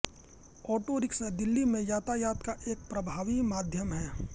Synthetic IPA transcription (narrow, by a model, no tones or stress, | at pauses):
ɔːʈoːɾɪksd̪ɪlːimẽjaːt̪aːjaːt̪kaʔeːk̚pɾɐbʱaːʋimaːd̪ʱjəmɦɛː